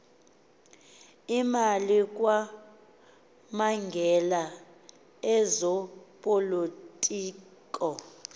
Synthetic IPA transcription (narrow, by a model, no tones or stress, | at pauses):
imalik̬ʼwa | maŋɡʱɛla | ɛzɔpʼolotʼiːkʼɔ